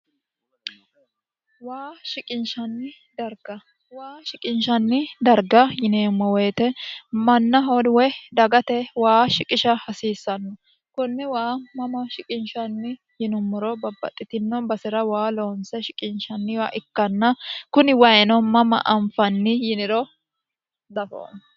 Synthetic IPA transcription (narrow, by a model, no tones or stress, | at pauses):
waːʃɪkʼɪnʃɐnːɪ | d̪ɐɾɡɐ | waːʃɪkʼɪnʃɐnːɪd̪ɐɾɡɐjɪneːmːɔweːt̪ɛmɐnːɐɦodwɛd̪ɐɡɐt̪ɛwaːʃɪkʼɪʃɐhɐsiːsːɐnːʊ | kʊnːɛwaːmɐmɐʃɪkʼɪnʃɐnːɪ | jɪnʊmːʊɾɔbɐbːɐ̰t̪ʼːɪt̪ɪnːɔbɐsɪɾɐwaːloːnsɛʃɪkʼɪnʃɐnːɪwaːʔɪkːɐnːɐkʊnɪwɐjɛnɔmɐmɐ̰ʔɐɱfɐnːɪjɪnɪɾɔ | d̪ɐfo̰ːn